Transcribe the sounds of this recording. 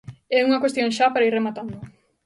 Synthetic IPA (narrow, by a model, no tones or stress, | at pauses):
ɛuŋɐkwest̪jõŋʃapaɾaiɾremat̪and̪ʊ